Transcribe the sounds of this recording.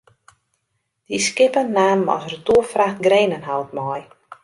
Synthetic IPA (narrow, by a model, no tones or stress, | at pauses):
d̥iskɪpənnaːmɔ̰sərduəfraxtɡreːnənɦawtmɔj